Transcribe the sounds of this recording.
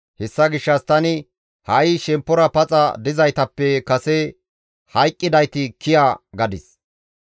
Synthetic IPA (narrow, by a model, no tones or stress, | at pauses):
hɛsːɐɡɪʃːɐst̪ɐnɪ | hɐjʃɛmpːɔɾɐpɐt͡sʼɐ̰d̪ɪzɐjt̪ɐpːɛkɐsɛ | hɐjkʼːɪd̪ɐjt̪ɪkʰɪjaɡɐd̪ɪs